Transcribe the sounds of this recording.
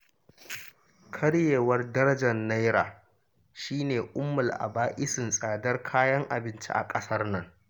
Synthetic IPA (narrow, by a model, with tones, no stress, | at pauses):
kʰɐ˦ɽjeː˨wɐ˦rdɐ˦ɾɐ˦d͡ʒɐ˨nːa˦jɾa̰ː˨ | ʃiː˦neː˨ʔʼʊ˦mːʊ˨lʔa̰˨baː˦ʔɪ˦sɪ˨nsʼaː˨dɐ˦rkʰaː˦jɐ˦ŋʔa̰˨bɪ˦nt͡ʃḭ˦ʔa̰˨kʼɐ˦sɐ˦rnɐ˦ŋ